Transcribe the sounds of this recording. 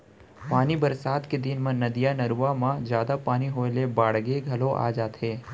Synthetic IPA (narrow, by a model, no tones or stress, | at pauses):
paːnibɐɾsaːt̪ked̪ɪnmẽnɐd̪ijanɐɾuːamãd͡ʒjaːd̪apaːniɦoːlebaːɽɡeɡʱɐloʔa̰ːd͡ʒaːt̪eː